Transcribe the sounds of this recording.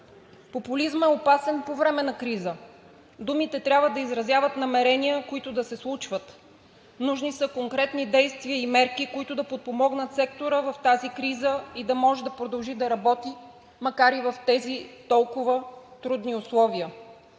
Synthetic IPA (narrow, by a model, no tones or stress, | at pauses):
popʊlizmɛopasɛnpovɾɛmɛnɐkɾizə | d̪umit̪ɛt̪ɾʲabvəd̪ɐizɾɐzjavət̪nɐmɛɾɛniəkoit̪ʊd̪ɐsɛslˠut͡ʃvət̪ | nuʒnisəkoŋkɾɛt̪nid̪ɛjst̪viəimɛɾkikoit̪ʊd̪ɐpot̪̚pomɔɡnət̪sɛkt̪oɾəvɐft̪azikɾizəid̪ɐmɔʒɛd̪ɐpɾod̪ɐlˠʒid̪ɐɾɐbɔt̪i | mɐkaɾivɐft̪ɛzit̪ɔlˠkʊvət̪ɾud̪niʊslˠɔviə